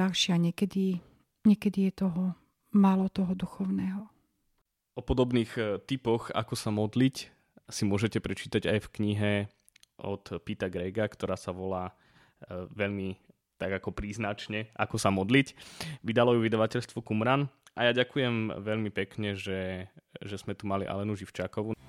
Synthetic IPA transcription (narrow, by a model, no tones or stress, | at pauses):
aʃɪaɲɛkɛd̪i | ɲɛkɛd̪ijɛt̪ɔɦɔ | maːlɔt̪ɔɦɔd̪uxɔʊnɛːɦɔ | ɔpɔd̪ɔbniːxt̪ipɔɣa̰kɔsamɔd̪lic | simʊɔʒɛcɛpɾɛt͡ʃiːt̪aɟajfkɲiɦɛ | ʔɔ̰t̪pit̪aɡɾɛɡakt̪ɔɾaːsaʋɔlaː | ʋɛʎmi | t̪aɡakɔpɾiːznat͡ʃɲɛʔa̰kɔsamɔd̪licʋid̪alɔjuʋid̪aʋacɛʎst̪ʋɔkumɾanajaːɟakujɛmʋɛʎmipɛkɲɛʒɛʒɛzmɛt̪umalḭʔa̰lɛnuʒift͡ʃakɔʋu